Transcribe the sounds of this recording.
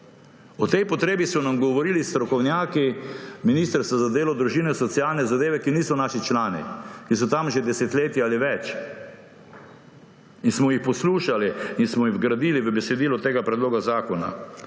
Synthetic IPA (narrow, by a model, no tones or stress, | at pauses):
ɔt̪ɛjpɔt̪ɾeːbisɔnamɡɔʋɔɾilist̪ɾɔkɔwnjaːkiminiːst̪əɾst̪azad̪eːlɔd̪ɾuʒiːnɛsɔt̪sijalnɛzad̪eːʋɛkiniːsɔnaːʃit͡ʃlaːnḭkis̬ɔt̪amʒɛd̪ɛsɛt̪leːt̪jaaliʋɛt͡ʃ | insmɔjixpɔsluːʃaliinsmɔjiɣɡɾad̪iliʋəbɛsɛd̪iːlɔt̪eːɡapɾɛd̪loːɡazaːkɔna̰